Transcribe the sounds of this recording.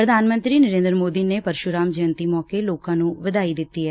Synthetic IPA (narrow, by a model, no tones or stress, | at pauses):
pɾəd̪ʱaːnmə̃nt̪ɾiːnəɾẽːnd̪ɾmoːd̪iːneːpəɾʃʊɾãːmd͡ʒəənt̪iːmɔːkeːloːkãːnũːʋɪd̪aːiːd̪ɪt̪ːiːɦɛː